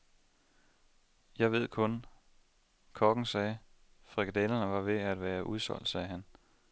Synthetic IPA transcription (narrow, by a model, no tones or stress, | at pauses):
jɑ̈ɪʋe̝ð̞̰ˠkʰɔ̽n | kʰɒɡ̥ŋ̩sɛː | fʁiɡ̥d̥elɐnəʋɑ̈ʋe̝æd̥ʋæːɐʔuð̞ˠsɒ̽l̰d̥sɛːɦæn